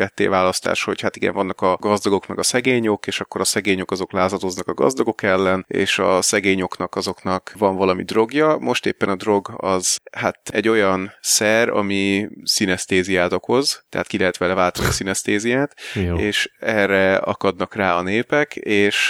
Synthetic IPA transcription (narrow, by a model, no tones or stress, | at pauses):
ɛt̪ːḛːvaːlɒst̪a̰ːʃho̞chat̪iɡɛ̰ɱvɒnːɒkɒɡɒzd̪ɒɡo̞kmɛɡɒsɛɡeːɲo̞keːʃɒkːo̞ɾɒsɛɡeːɲo̞kɒzo̞klaːzɒd̪o̞znɒkɒɡɒ̰zd̪ɒɡo̞kɛlːɛnḛːʃɒ̰sɛɡeːɲo̞knɒkɒzo̞knɒkvɒɱvɒlɒmḭd̪ro̞ɡjɒmo̞ʃt̪ḛːpːɛnɒd̪ro̞ɡɒ̰zhat̪ɛɟːo̞jɒnsɛrɒ̰misinɛst̪eːzijaːt̪o̞ko̞zt̪ɛ̰ɦaːt̪kilɛɦɛt̪ʋɛlɛvaːlt̪ɒnḭsinɛst̪eːzijaːt̪eːʃɛrɛɒ̰kɒd̪nɒkraːɒneːpɛkeːʃ